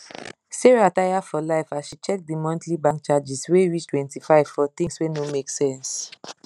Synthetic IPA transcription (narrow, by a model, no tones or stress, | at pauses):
seɹiatajafɔlaɪfaʃit͡ʃɛk̚dimɔ̃ntʰlibãŋkt͡ʃad͡ʒisweɹit͡ʃtwɛ̃ntifaɪv̥fɔt̪ĩŋswenomeksɛ̃ns